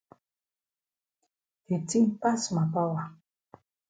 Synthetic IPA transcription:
e˨ti˦m˦pa˦sma˨pa˦wa˨

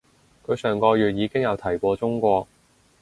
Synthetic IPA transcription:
kʰɵ˨˧sœː˨˩ŋkɔː˧jyː˨t̚jiː˨˧kɪ˥ŋjɐ˨˧wt̪ʰɐ˨˩jkʷɔː˧t͡sʊ˥ŋkʷɔː˧k̚

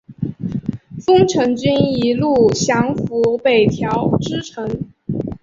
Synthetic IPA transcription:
fɤ˥ŋʈ͡ʂʰɤ˧˥ŋt͡ɕy˥ni˧˥lu˥˩ɕjɑ˧˥ŋfu˧˥pe˨˩ɪt̪ʰjɑ˧˥ʊʈ͡ʂɻ̩˥ʈ͡ʂʰɤ˧˥ŋ

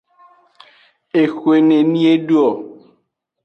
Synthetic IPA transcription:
e˨xwe˨ne˨nĩ˦e˦ɖu˦ɔ˨

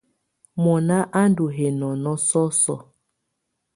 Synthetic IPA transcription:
mɔ˨na˦ʔa˦n˦du˨ɦe˨nɔ˨nɔ˦sɔ˦sɔ̰˦˨

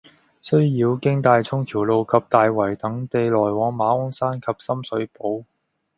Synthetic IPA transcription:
sɵ˥ɥjiː˨˧wkɪ˥ŋt̪aː˨˧jt͡sʰʊ˥ŋkʰiː˨˩wlo˨˧wkʰɐ˨p̚t̪aː˨˧jwɐ˨˩jt̪ɐ˨˥ŋt̪e˨˧jlɔː˨˩jwɔː˨˥ŋmaː˨˥ʊ˥ŋsaː˥nkʰɐ˨p̚sɐ˥msɵ˨˥ɥpo˨˥w

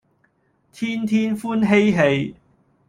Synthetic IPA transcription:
t̪ʰiː˥nt̪ʰiː˥nfuː˥nɦe˥jɦe˧j

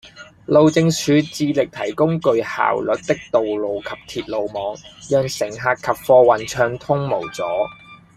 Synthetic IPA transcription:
lo˨wt͡sɪ˧ŋsʰyː˨˧t͡siː˧lɪ˨k̚t̪ʰɐ˨˩jkʊ˥ŋkɵ˨˧ɥha̰ː˨wlɵ˨˥t̚t̪ɪ˥k̚t̪o˨wlo˨wkʰɐ˨p̚t̪ʰiː˨t̚lo˨wmɔː˨˧ŋjœː˨ŋsɪ˨˩ŋɦaː˨kkʰɐ˨p̚fɔː˧wɐ˨nt͡ʃʰœː˧ŋt̪ʰʊ˥ŋmo˨˩wt͡sɔː˨˥

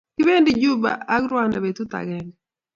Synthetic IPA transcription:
kɪ˦be˦ndi˦d͡ʒu˦ba̰˨a˦kɾwa˦nda˨be˨t̪u˦t̪a̰˨ɡɛ˨ŋɡɛ

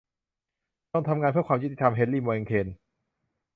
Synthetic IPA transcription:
t̪ɔ˥˩ŋt̪ʰa˧mŋaː˧npʰɯ˥˩əkwaː˧mjt̪ːi˧t̪ʰa˧mɦe˨˦nliː˥˩mɔː˧e˧ŋkʰeː˧n

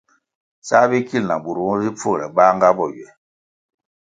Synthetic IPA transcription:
sa˦be˦ki˦lna̰˨bu˨ɾu˨ɔ˦zi˦fo˦˨ɾɛ˨ɓa˦ŋ˦ɡa˦bɔ˨jɛ˨

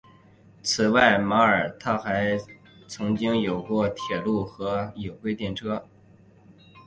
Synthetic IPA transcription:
t͡sʰɹ̩˨˩wa˥˩ɪma˧˥ə˞˨˩t̪ʰa˥xa˧˥ɪ | t͡sʰɤ˧˥ŋt͡ɕi˥ŋjo˨˩ʊkwɔ˥˩t̪ʰjɛ˨˩lu˥˩xɤ˧˥jo˨˩ʊkwe˥ɪt̪jɛ˥˩nʈ͡ʂʰɤ˥

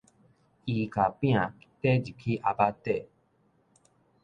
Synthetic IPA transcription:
i˨ka˨pĩ˦ã˨˦tɛ˦d͡ʒi˨kʰi˦ʔa˧ba˦tɛ˦˨

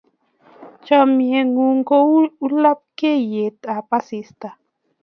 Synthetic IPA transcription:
t͡ʃɔ˨mi˨e˨ŋu˨ŋɡo˦u˦lɔ˦p̚ke˦˨je˨ta˨pa˦si˨sta˨

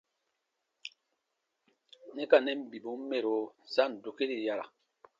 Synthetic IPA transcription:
nɛ˦ka˨nɛ˦m̩˨bi˨bu˦m˦me˦˨ɾo˨˦sa˦˨n˨do˨ke˦ɾi˨ja˦ɾa̰˨

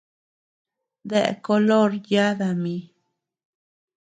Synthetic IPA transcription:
d̪ḛ˨ko˧lo˦ɾja˦d̪a˨mi˧

